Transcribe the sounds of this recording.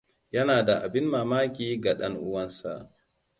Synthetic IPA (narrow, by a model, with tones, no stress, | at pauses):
jɐ˦naː˨da˨ʔa̰˨bɪ˦nmaː˨maː˦kʲiː˦ɡa˨ɗɐ˦nʔʊ˦wɐ˦nsa̰˨ʔ